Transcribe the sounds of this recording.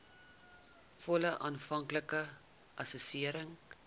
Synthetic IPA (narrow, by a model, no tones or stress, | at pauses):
fɔləʔɑːnfɐŋkləkə | ʔɐsusiəɾəŋ